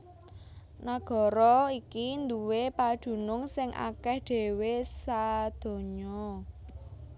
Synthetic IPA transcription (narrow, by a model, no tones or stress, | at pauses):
naɡ̥ɔ̤ɾɔikind̪uwepad̪̥ṳnʊŋsɪŋʔa̰kɛhɖ̪̥e̤wesad̪̥o̤ɲɔ